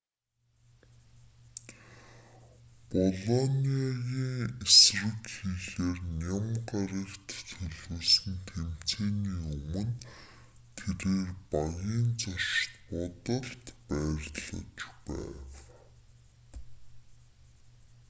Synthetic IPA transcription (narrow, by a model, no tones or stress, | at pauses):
pɔɮɔniajiːŋesrɘ̆kxiːɮeːrnʲamɢaɾə̆kt̪t͡sʰɵɮuːsɘ̆nt̪ʰem̥t͡sʰeːniːɵmɵ̆n | t̪ʰeɾeːrpaɣjiːnt͡sɔrʃt̪pɔt̪ə̆ɬt̪pæːrɮə̰̆t͡ɕpæ̰ːw